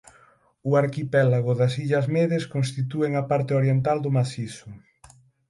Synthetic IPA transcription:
ʊaɾkipɛlaɣʊðɐsiʎɐzmeðeskonst̪it̪ueŋapaɾt̪eoɾjent̪ald̪ʊmasisʊ

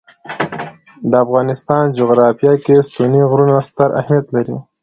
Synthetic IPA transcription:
d̪əafɣɑnɪst̪ɑnd͡ʒoɣɾɑfijɑkest̪uniɣɾunast̪əɾʔa̰hmijat̪laɾḭ

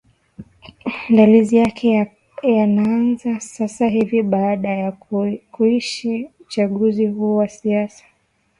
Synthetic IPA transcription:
ndalizijakʰɛ | janaanzasasaɦiviɓaaɗajakuiʃiut͡ʃaɠuzihuːwasiasḁ

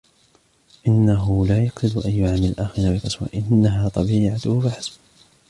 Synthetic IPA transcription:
ʔɪnːaɦʊlaːjaqsɪd̪ʔajːʊʕamɪllʔaːxɪɾnaːbɪqɑswa̰ʔɪnːaɦaːt̪ˤɑbiːʕat̪ʊhʊbɪħasb

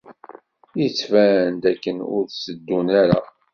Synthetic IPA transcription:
jət͡sːfæənt̪ækːənʊ̰ɾsəd̪ːunæɾa̰

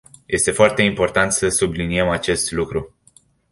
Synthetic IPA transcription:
jʔe̞st̪e̞foart̪e̞impo̞rt̪ant̪səsublinie̞mat͡ʃe̞st̪lukɾu

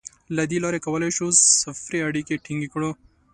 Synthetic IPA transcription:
lad̪elɑɾekawəlajʃusafɾiaɽikeʈɪŋɡikɽo

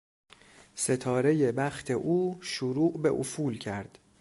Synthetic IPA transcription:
se̞t̪ʰɒːɾe̞je̞bæxt̪ʰe̞ʔuːʃoɾuːʔbe̞̰ʔofuːlcʰæɾd̪̥

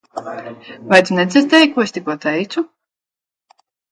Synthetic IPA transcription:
vajt̪ʲunɛd̪zʲizt̪ɛjkːuɔest̪ʲikuɔt̪ɛjt̪su

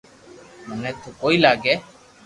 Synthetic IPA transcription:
mənɛ̃ːt̪oːkoːiːlaːɡeː

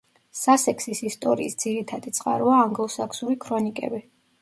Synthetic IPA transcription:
sasɛkʰsisist̪ʼɔɾḭːsd̪ziɾit̪ʰad̪it̪sʼqʼa̰ɾuaːŋɡlˠɔsakʰsuɾikʰɾɔnikʼɛ̰bi

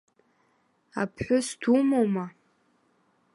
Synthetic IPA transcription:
a̰pʰħʷᶣʊsd̥umowma

